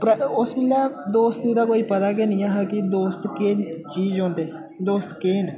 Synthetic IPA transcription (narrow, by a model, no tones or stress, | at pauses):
pɾəʊsmɪlːaːd̪oːst̪iːd̪aːk̬oːiːpət̪aːk̬eːnĩːaːɦɛkɪd̪oːst̪keːnt͡ʃiːd͡ʒɔ̃ːnd̪eː | d̪oːst̪keːn